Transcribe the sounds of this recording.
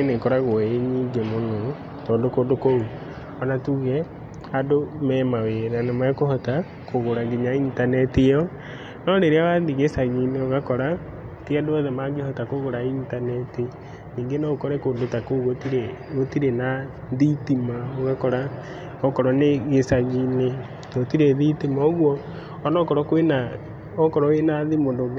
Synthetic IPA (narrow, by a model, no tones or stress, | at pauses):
enekɔɾaɣoeɲiːŋɡemono | tɔːndokodokou | ɔnatuɣɛ | adomɛːmaweɾanamakohɔta | koɣoɾaɣiɲaintanɛtijɔ | nɔɾeɾeawaðiɣesaɣineoɣakɔɾa | tiadoɔðɛmaɡehɔtakoɣoɾaintanɛti | niːŋɡenɔkɔɾɛkoːndotakoɣwotiɾeotiɾena | ðitimaoɣakɔɾa | ɔkɔɾɔneɣesaɣine | notiɾeðitimaoɣwɔ | nɔkɔɾɔkwena | ɔkɔɾɔwenaðimoːndo